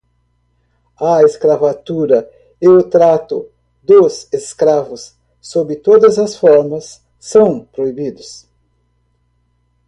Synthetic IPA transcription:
ɐeskɾavat̪uɾɐ | ewt̪ɾat̪ʊ | d̪oseskɾavʊsː | obɪt̪od̪ɐzɐsfɔɾmɐsː | ɐ̃w̃pɾoibid̪ʊs

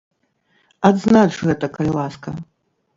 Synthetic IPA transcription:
ad̪znat͡ʂɣɛt̪ɐkɐlʲilˠaskɐ

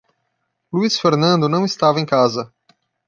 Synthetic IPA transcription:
luisfeɾnɐ̃nd̪ʊnɐ̃w̃ɪst̪avɐẽj̃kazɐ

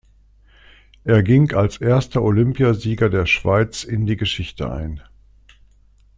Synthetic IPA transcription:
ʔeːɐɡɪŋalsʔeːɐstɐʔolʏmpjaziːɡɐdeːɐʃv̥aɪt͡sɪndiːɡəʃɪçtə̰ʔa̰ɪn

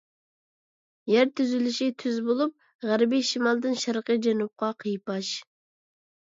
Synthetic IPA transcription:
jæɾt̪ʰyzylyʃit̪ʰyzbolˠup̚ | ʁæɾbiʃimɑlˠd̪ɨnʃæɾqəd͡ʒɛnup̚qʰɑqʰəjpɑʃ

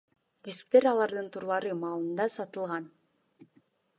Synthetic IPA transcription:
d̪ʲɪt̪sɨ̥pt̪eɾɑlˠɑɾd̪ɯnt̪ʰuɾlˠɑɾɯmɑːlˠɯnd̪ɑsɑt̪ɯlˠʁɑn

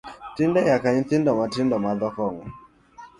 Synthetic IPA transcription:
tindɛjakaɲit̪indɔmatindɔmaðɔkɔŋɔ

